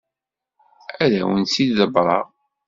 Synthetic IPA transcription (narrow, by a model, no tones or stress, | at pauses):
æðæwənsid̪ðəbɾˤɑ̰